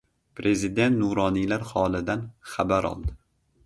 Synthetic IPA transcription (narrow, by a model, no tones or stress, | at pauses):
pʰɾe̞zid̪e̞nt̪nʊɾɒnilaɾhɒlˠɪd̪anχabaɾɒ̰lˠd̪ɪ